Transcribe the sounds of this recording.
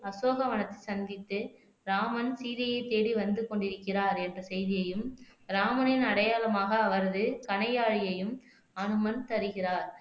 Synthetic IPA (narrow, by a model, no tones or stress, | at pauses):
ɐsoːɣɐʋɐnɐt̪ːɐɪsɐnd̪ɪt̪ːɯ | ɾaːmɐnsiːðɐjɐɪt̪ːeːɽiʋɐnd̪ɯkɔɳɖɪɾɯkːɪraːɾɛndrɐsɛjðɪjɐjɯmɾaːmɐnɪnɐɽɐjaːlɐmaːɣɐːʋɐɾɐðɯkɐɳɐjaːɻɪjɐjɯm | ɐnɯmɐnt̪ɐɾɯɣɪraːɾ